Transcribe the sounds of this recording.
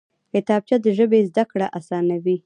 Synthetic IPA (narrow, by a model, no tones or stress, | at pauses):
hɪt̪ɑb̚t͡ʃad̪əʒəbezd̪akɽaʔasɑnawi